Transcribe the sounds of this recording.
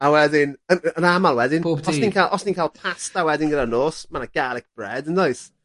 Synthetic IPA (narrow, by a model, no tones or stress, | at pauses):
awɛdɪnənənamalˠwɛdɪnpuɔsniːnkʰalˠʔɔsniːnkʰaːlˠpʰastawɛdɪnɡədanoːsmanaɡ̥alɛk̚b̥rɛ̰dəndajs